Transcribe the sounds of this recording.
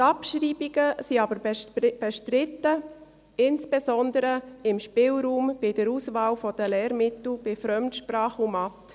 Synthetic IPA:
t̪ɑpʃɾiːbiɡəsiɑbəɾbɛb̥ɛʃtɾɪt̪ːə | ɪnsb̥esɔnd̪əɾəɪmʃpɪlɾuːmb̥ɪd̥əɾusvaːlfɔd̥əlɛːɾmɪt̪l̩b̥ɪfɾœmtʃprɑːχumɑt

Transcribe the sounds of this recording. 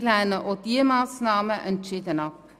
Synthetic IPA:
lænəʔɔdiəmɑːsnɑːməʔənt͡ʃitənɑp

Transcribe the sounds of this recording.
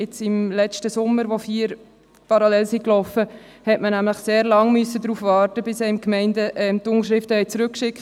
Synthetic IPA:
ɪt͡sɪmlɛt͡ʃtəsʊmːəɾʋofiːəɾ | pɑɾɑlɛlsiklɔfə | hɛtmənæmləχseːɾlɑŋmʏsːədɾuːfʋɑːɾtəbɪsɛːɪmkmɛɪndəʔɛmtʊŋʃɾɪftəhɛɪt͡sɾʉkʃɪk

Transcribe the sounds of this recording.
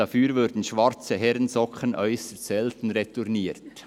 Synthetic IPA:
afyːɾvʊɾd̥n̩ʃʋaɾt͡səɦɛɾənzɔkənʔœʏsəɾt͡sɛltn̩ɾetuɾniːt

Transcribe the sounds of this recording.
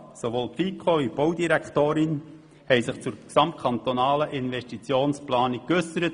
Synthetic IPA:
soʋoːlpfikʰχovib̥owd̪iɾækt̪oːɾɪn | hɛjsɪχt͡sʊɾksɑmt̚kʰɑnt̪ɔnɑːləʔɪnvɛʃtit͡sjoːnsplɑːnik̚kːɵsəɾət

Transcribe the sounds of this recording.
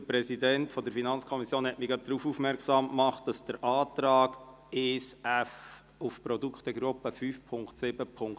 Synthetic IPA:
əpɾɛsidɛntfɔd̪əɾfinɑnt͡skʰɔmisjoːnhɛtmɪɡɑt̚d̥̪ɾuːfuːfmɛɾksɑːmkmɑχt̚d̥ɑsd̥əɾʔɑːt̪ɾɑːɡ̥ | eːsæf | ufpɾɔdukχt̪əɡɾʊpːəfyːfpʰʊŋktsɪb̥əpʰʊŋ

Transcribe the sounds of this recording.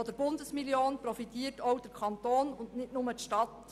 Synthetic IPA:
ɔd̥əɾb̥ʊndəsmiljoːnprɔfitiːəɾtɔwd̥ɛɾkʰɑntoːnʊnnɪtnʊmətʃtɑt

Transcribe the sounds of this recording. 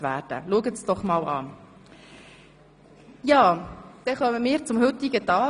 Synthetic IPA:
ʋæːɾd̥ə̰luəɡət͡sd̥ɔχmɑːlɑ̰ː | jɑːd̪̥ɛχœməmɪːɾt͡sʊmhʏt̪iɡət̪ɑː

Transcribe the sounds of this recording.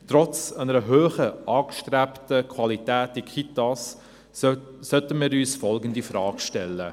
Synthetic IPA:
tɾɔt͡sanəɾəɦøːχəʔɑːkʃtɾæptəkʰwɑlitæːtikʰitas | sœtəmiːɾyːsfɔlɡəndifɾɑːkʃtɛlːə

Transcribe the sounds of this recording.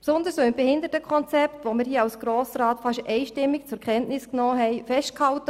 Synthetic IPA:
psʊnd̪əɾsoːɪmbehɪnd̪ətəkʰɔnt͡sɛptʋomɪɾhiːɑwsɡ̥ɾoːsɾaːtfɑʃʔɛɪʃtɪmːikt͡sʊɾkʰɛntnɪsknɔːɦɛɪfɛʃtkhɑltə

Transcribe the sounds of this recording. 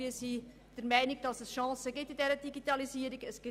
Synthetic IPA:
iːsi | d̥əɾmæɪnɪɡ̚d̥ɑsɛsʃɑ̃ːsəɡɪtːɪndɛːɾəd̥iɡitɑliziːəɾɪɡəsɡ̥ɪ

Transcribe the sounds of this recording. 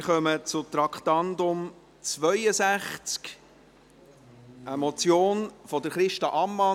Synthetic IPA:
χœmət͡sʊt̪ɾɑkχtɑndʊm | t͡svœʏəsæχt͡sk | əmɔt͡sjoːnfɔdəɾχɾɪʃtɑʔɑmːɑ

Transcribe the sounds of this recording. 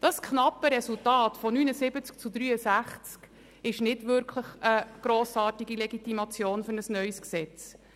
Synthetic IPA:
d̥ɑskχnɑpːəɾɛsultɑːtfɔnyːnəsɪbət͡sk̚t͡sudɾyːəsæχt͡sk | ɪʃnɪdvʏɾkʰləχəɡ̥ɾoːsɑːtiɡilɛɡitimɑt͡sjoːnfɵɾnəsnœʏsksɛt͡s

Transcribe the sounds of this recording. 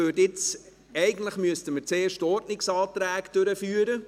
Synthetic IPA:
øɾdɪt͡s | ɛɪɡən̩tləχmyəstəməɾt͡seːʃtɔɾdnɪksɑːtɾæːkd̥øɾəfyːəɾə

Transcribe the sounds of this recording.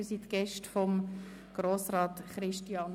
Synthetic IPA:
ysit̪ɡ̥ɛʃtfɔm | ɡ̥ɾoːsɾɑːtχɾɪʃtiɑn

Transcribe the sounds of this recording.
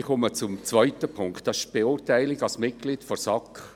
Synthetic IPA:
χɔmət͡sʊmt͡sʋvœʏtəpʰʊŋktd̥ɑsɪ̥ʃb̥eʊːɾtæɪlɪɡɑlsmɪt̚ɡ̥liːtfɔsɑkχ

